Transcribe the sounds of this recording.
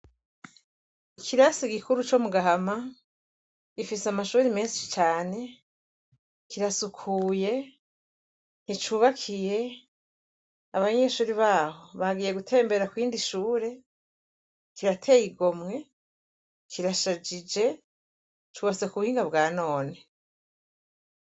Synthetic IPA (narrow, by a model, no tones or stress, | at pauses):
ikʰiɾasiɡikuɾut͡ʃo̞muɡahama | ɡ̥ifiseamaʃuːɾimeːsi̥t͡ʃaːne̞ | kiɾasukʰuːje̞ | n̥it͡ʃuːβakʰije̞ | aβaɲe̞ʃuːɾiβaːho̞βaɡiːje̞ɡutʰe̞ːmbe̞ɾakwiːndiʃuːɾe̞ | kiɾatʰe̞ːjiɡo̞mŋe̞ | kʰiɾaʃad͡ʒid͡ʒe̞ | t͡ʃuːβat͡se̞kuuhiːŋɡaβɡaːno̞ːne